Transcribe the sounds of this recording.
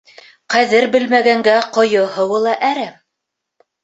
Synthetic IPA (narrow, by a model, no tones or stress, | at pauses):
qæðɘɾbɘ̆lmæɡæŋɡæqŏjɤhɤ̆wɤlˠɑʔæɾæm